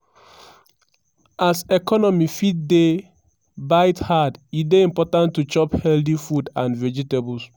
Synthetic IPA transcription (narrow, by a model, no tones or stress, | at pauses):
ʔasɛkɔnɔmifit̚de | baɪthadideĩmpɔtãntːut͡ʃɔphɛldifudãnvɛd͡ʒitebɔls